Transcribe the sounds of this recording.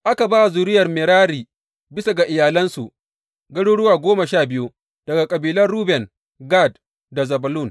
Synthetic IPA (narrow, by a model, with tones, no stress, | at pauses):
ʔa˦ka˨baː˦˨zuː˨ɾɪ˦jɐ˨rmɪ˨ɾaː˦ɾiː˨ | bɪ˦sa˨ɡa˨ʔɪ˨jaː˨lɐ˦nsu˨ʔ | ɡɐ˦ɽu˦ɽʊ˦waː˨ɡʷoː˦ma˨ʃaː˦˨bɪ˦ju˦ | d̥ɐ˨ɡa˨kʼɐ˨biː˨lɐ˦rɽuː˦bɛ˨n | ɡa˦˨d | da˨zɐ˨bɐ˨lu˦˨n